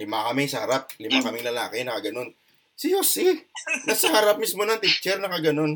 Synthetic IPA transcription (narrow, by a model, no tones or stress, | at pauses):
lɪmakɐmɪŋsɐhɐɾap̚lɪmakɐmɪŋlɐlaːkɪnɐkɐɡɐno̞n | sɪjosɪnɐsɐhaɾap̚mismonɐŋt̪it͡ʃːɛɾnɐkɐɡɐno̞n